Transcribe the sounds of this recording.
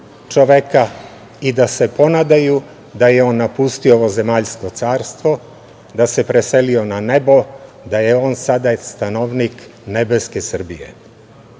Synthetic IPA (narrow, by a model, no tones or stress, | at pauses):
t͡ʃoʋeka | id̪ase̞po̞nad̪aju | d̪ajeo̞nːapust̪iooʋo̞ze̞maːʎsko̞t̪saːɾst̪ʋo̞ | d̪ase̞pɾese̞lio̞nane̞bo̞ | d̪aje̞o̞ːnsad̪ast̪anoʋnikne̞be̞ske̞sr̩bijḛ